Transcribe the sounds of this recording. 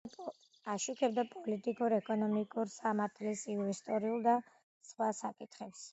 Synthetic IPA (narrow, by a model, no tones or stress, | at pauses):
aʃukʰɛbd̪apʼɔlit̪ʼikʼuɾɛkʼɔnɔmikʼuɾsamaɾt̪ʰlisinvɛst̪ʼɔɾiulˠd̪a | sχwasakʼit̪ʰχɛps